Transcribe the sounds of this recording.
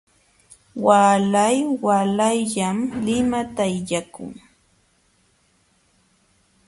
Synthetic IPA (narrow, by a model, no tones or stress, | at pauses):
waːlajwalajʎamlɪmat̪ajjakʊ̰ŋ